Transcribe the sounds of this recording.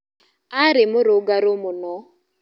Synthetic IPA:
aɾɪmoɾoɡaɾomonɔ

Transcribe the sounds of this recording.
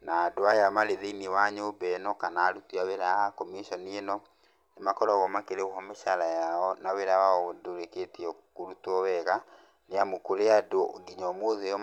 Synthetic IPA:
naːdoajamaɾeðeiniwaɲobɛnɔkanaːɾutiaweɾakɔmiʃɔnienɔ | nemakɔɾɔɣɔmakeɾeoɦɔmeʃaɾajaɔnaweɾawaɔdoɾeketiɔkoɾutɔwɛɣa | neamokoɾeadoɡiɲɔmoðeɔ

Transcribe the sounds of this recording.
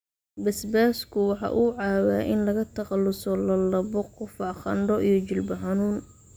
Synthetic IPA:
bɐsbaːskʰʊwɑħɑ̰ːʔuːʕɑːwa̰ːʔɪnlɐɣɐt̪ʰɐqɑlːʊsɔlɐlɐbɔqʊfɑʕχɑ̰ɳɖɔʔijɞt͡ʃɪlbɐħɑnuːn

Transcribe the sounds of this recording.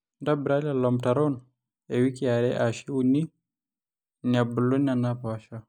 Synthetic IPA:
ndabɾalalɔmtaɾɔn | ewikiaɾɛʔaʃiwuni | nabulonanapaʃa

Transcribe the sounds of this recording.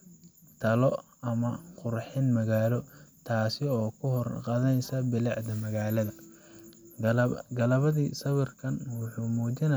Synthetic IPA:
t̪ʰɐlɔ | ɐmɐqʊrħɪnmɐɣaːlɔt̪ʰaːsɪɔːkʰʊhɔrqɑðɐnɛjsɐbɪlɑʕd̪ɐmɐɣaːlɐðɐ | ɡɐlɐβɐðiːsɐwɪrkʰɐnwʊħuːmuːt͡ʃɪnɐ

